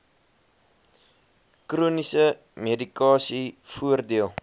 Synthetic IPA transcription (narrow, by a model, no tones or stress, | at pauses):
kruːnisə | medikɑːsifuərdiəlˠ